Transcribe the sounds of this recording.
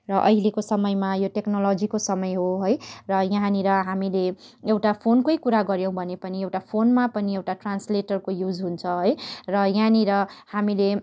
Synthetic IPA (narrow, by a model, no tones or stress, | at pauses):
rʌʔʌɦilekosʌmʌjmajoʈeknolʌd͡zikosʌmʌjɦoɦojrʌjaɦniɾʌɦamileewʈapʰonkʌjkuɾaɡʌɾjʌ̃w̃bʱʌnepʌniewʈapʰonmapʌniewʈaʈransleʈʌrkojud͡zɦunt͡sʰʌɦojrʌjaniɾʌhamile